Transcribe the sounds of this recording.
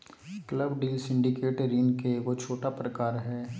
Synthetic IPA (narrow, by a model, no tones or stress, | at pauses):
kləbɖiːlsɪ̃ɳɖikeːʈɾinkekot͡ʃʰoːʈapɾəkaːɾɦɛː